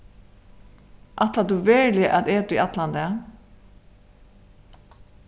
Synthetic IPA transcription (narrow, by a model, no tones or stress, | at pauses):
ʔat̪lad̪ʉʋɛːɹlɪʔat̪eːd̪iʔat̪land̪ɛ